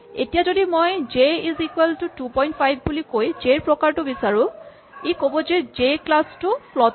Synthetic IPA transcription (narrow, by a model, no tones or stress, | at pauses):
ḛtijazodimojd͡ʒeizikweltʊtupɔjntpʰajbʱbulikojd͡ʒeɹpɹɔkaɹtʊbisaɹʊ̃ | ekobɔzed͡ʒeklastʊpʰlɔt